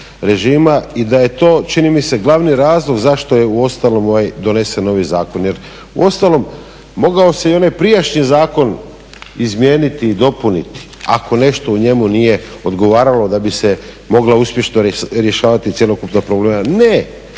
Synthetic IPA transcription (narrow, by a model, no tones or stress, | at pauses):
ɾe̞ʒiːmaid̪aje̞t̪o̞ːt͡ʃinimiseɡlaʋniɾaːzlˠo̞ɡzaʃt̪o̞je̞uo̞st̪alo̞moʋajd̪o̞ne̞senːo̞ʋizaːko̞nje̞ɾ | ṵo̞st̪alo̞mː | o̞ɡaoseio̞najpɾijaʃɲizaːko̞n | izmje̞ːnit̪iːd̪o̞punit̪i̥a̰ko̞ne̞ʃt̪o̞uɲe̞munije̞o̞d̪ɡo̞ʋaːɾalo̞d̪abise̞ | mo̞ɡlauspje̞ʃnoɾje̞ʃaːʋat̪it̪sʲjelokupnapɾobleːmane